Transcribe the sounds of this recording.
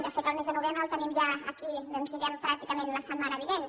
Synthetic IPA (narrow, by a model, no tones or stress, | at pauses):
d̪əfet̪əlˠmezðənuβembɾəlˠt̪ənimʒaə̰kiβɛmsiʎampɾak̚t̪ikəmenləsəmanəβiβen